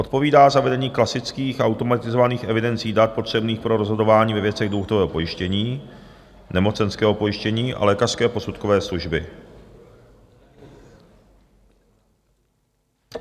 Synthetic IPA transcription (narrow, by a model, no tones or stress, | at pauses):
ʔot̪̚po̞viːdaːzavɛdɛɲiːklasɪt͡skiːxaawt̪o̞mat̪ɪzovaniːxʔɛvɪdɛnt͡siːdat̪̚po̞t̪r̝̥ɛbniːxpɾo̞ɾozɦodo̞vaːɲiːvɛvjɛt͡sɛɣduxot̪ovɛːɦopo̞jɪʃcɛɲiː | nɛmot͡sɛnskɛːɦo̞po̞jɪʃcɛɲiːʔa̰lɛːkar̥skɛːpo̞sut̪kovɛːsluʒbɪ